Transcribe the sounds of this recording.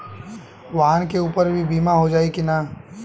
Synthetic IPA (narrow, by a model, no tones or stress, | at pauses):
ʋaːnkeuːpəɾbʱibiːmaɦod͡ʒaːekina